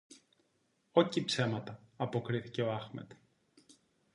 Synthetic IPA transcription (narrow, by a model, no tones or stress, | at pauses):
o̞cipse̞mɐt̪ɐːpo̞kɾiθice̞oɐxmḛt̪